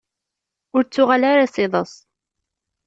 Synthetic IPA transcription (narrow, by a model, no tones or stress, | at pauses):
ʊɾt͡sːʊʁalaɾasɪðˤəsˤ